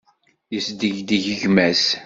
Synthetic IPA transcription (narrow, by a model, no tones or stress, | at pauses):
jəsd̪əʝd̪əʝəʝmæs